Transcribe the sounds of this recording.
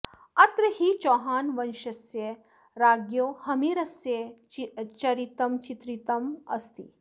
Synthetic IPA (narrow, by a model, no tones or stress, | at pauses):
ɐt̪ɾɐhit͡ʃoːɦaːnʋɐnʃɐsje | ɾaːɡjoːhɐmiːɾɐsje | t͡ʃɐɾit̪ɐmt͡ʃit̪ɾit̪ɐmɐ̰st̪ḭ